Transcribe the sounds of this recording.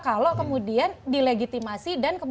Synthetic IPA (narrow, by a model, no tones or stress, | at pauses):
kalokəmudiandileɡit̪imasidankəm